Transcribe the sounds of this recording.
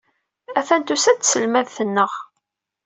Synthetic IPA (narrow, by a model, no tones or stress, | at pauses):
æθænt̪usæt͡sːsəlmæðθənːəʁ